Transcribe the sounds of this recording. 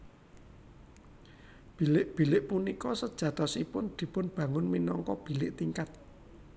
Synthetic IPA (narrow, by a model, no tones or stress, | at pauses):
b̥i̤lɪʔb̥i̤lɪʔpunikɔsəd̥ʒ̥ä̤t̪ɔsipʊnd̪̥i̤pʊnb̥ä̤ŋʊnminɔŋkɔb̥i̤lɪʔt̪iŋkat̪̚